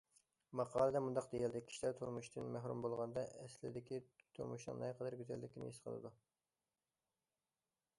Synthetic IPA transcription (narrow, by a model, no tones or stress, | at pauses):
mɑqʰɑːlˠɨd̪ɛmund̪ɑqd̪ejɛld̪ɪkʲʰi̥ʃlæɾt̪ʰuɾmuʃt̪ɨnmæɦɾṵmbolˠʁɑnd̪ɑʔɛslɪ̰d̪ɪkʲit̪ʰṵɾmuʃnɨ̰ŋnɛqʰəd̪æɾɡʲyzɛ̰lːɪkʲʰinɪ̰jisqʰə̰lˠɨ̰d̪u